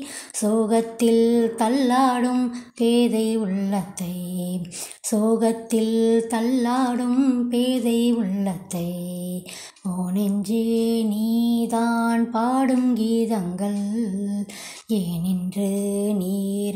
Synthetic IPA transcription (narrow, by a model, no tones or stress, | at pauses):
soːɣɐt̪ːɪlt̪ɐlːaːɽɯmpeːðɐɪʊɭːɐt̪ːɐɪ | soːɣɐt̪ːɪlt̪ɐlːaːɽɯmpeːðɐɪʊɭːɐt̪ːɐɪ | oːnɪɲd͡ʒɯniːðaːnpaːɽɯmɡiːðɐŋɡɐɭ | ɛːnɪndrɯniː